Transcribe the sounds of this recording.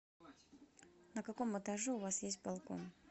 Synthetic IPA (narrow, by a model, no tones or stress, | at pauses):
nəkɐko̞mət̪ɐʐɛʊvasjesʲt̚ʲbalˠko̰n